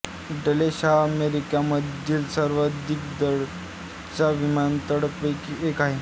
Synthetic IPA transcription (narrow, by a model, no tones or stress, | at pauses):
ɖəleɕaəmeɾikaməd̪ʱːiːlsəɾʋəd̪ʱik̚d̪əɽ | t͡saʋimant̪əɽəkəkiekaɦe